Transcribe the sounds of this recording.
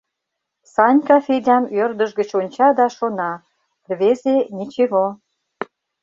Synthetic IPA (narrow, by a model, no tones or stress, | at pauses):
sɑnʲkɑfedʲɑmørd̪əʃɣət͡ɕonʲt͡ɕɑd̪ɑʃonɑ | rβezenʲit͡ɕeɣo